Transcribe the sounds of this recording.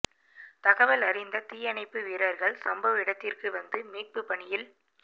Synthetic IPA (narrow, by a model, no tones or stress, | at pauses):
t̪ɐɣɐʋɐlɐrɪnd̪ɐt̪iːjɐɳɐɪpːɯʋiːɾɐɾɣɐɭsɐmbɐʋɪɽɐt̪ːɪrkɯʋɐnd̪ɯmiːʈ̚pɯpɐɳɪjɪl